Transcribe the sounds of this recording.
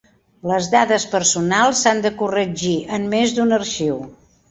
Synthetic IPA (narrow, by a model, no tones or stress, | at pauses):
ləzdaðəspəɾsunalˠsand̪əkurəd͡ʒiəmmezd̪unərʃiw